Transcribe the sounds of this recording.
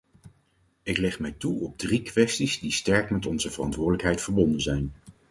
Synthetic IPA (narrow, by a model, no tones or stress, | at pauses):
ɪklɛχmɛjtuɔb̚drikʋɛstizdistɛɹkmɛtɔnzəvərɑ̰ntʋʊːɹdələkɦɛjtfəɹbɔndənzɛjn